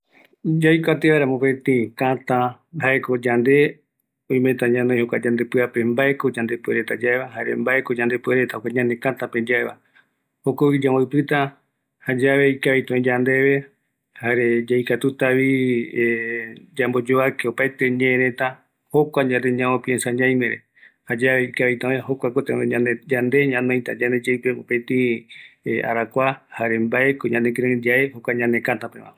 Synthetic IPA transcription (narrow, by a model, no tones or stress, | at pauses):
d͡ʒajkʷat̪eβaeɾamõpẽt̪ẽkãt̪ãhaeko̞d͡ʒand̪e̞ | õj̃mẽt̪ãɲãnõjhokʷad͡ʒãnd̪epɨape̞mbaʔeko̞d͡ʒãnd̪e̞pueɾet̪ad͡ʒaeβaɦaɾembaekod͡ʒãnd̪e̞pueɾet̪ahokʷaɲãnẽkãt̪ãped͡ʒaeβa̰ | hokoβid͡ʒãmaɨpɨt̪a | had͡ʒaʋe̞ikaβet̪õĩd͡ʒand̪e̞βe̞ | haɾed͡ʒaijkat̪ut̪aβi | d͡ʒambod͡ʒoakeopajt̪eɲẽɾẽt̪ã | hokʷaɲãt̪eɲãõpiensaɲãj̃meɾḛ | had͡ʒaβe̞ikaajt̪ãẽɦokʷakot̪eead͡ʒand̪e̞ɲãnõjt̪a̰d͡ʒaned͡ʒajpeopẽt̪ĩ | ʔa̰ɾakʷahaɾe̞mbaekoɲãnek̬ɾẽd͡ʒaehokʷaɲãnekãt̪apḛ̃mã̰